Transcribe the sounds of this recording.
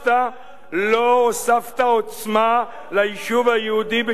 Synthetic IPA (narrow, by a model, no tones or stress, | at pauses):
t̪a | loosaft̪aot͡sma | lajʃuvajud̪ibɪ